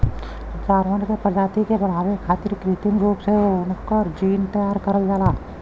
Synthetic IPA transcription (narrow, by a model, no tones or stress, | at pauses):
t͡ʃaːɾʋənkepəd͡ʒaːt̪ikebɐɽ̤aːʋekʰaːt̪ɪɾkɾiːt̪ɪ̃ŋɡɾuːpseoʊnkəɾd͡ʒiːnt̪əjaːɾkəɾəld͡ʒaːlaː